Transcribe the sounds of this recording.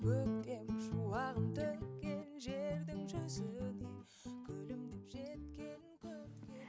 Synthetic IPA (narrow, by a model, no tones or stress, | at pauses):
wɵk̚t̪e̞mʒuwɑʁənt̪ʰɵkʲːenʒeɾd̪ɪŋʒɑsəd̪ej | kʲʰɵlɪmd̪ɪpʒ̥et̪̚kʲe̞nɪŋkʲʰøkʲe